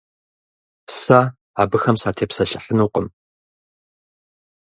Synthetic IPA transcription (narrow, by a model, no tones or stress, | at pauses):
sa | aːbɨxɐmsaːtʰeːpsɐɬəħənuːqʼəm